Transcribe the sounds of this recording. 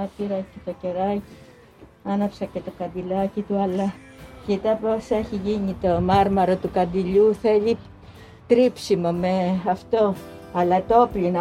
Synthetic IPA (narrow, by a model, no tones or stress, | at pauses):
ɐpiɾɐcet̪o̞ce̞ɾɐci | ɐnɐpsɐcet̪o̞kɐnd̪ilɐcit̪uɐlɐ | cit̪ɐpo̞se̞çiʝiɲit̪omɐɾmɐɾot̪ukɐnd̪iʎuθe̞ʎi | t̪ɾipsimo̞me̞ɐft̪o̞ɐlɐt̪o̞plinɐ